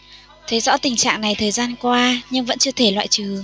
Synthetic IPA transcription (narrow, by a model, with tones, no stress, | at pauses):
t̪ʰe˨˦jzɔ̰˧˥t̪ï˨˩ŋ̟t͡ɕa̰ː˧˨ŋna˨˩jt̪ʰəː˨˩jzaː˧nkwaː˧ɲɨ˧ŋvə̰˧˥nt͡ɕɨ˧ət̪ʰe˧˩lwa̰ː˧˨jt͡ɕɨ˨˩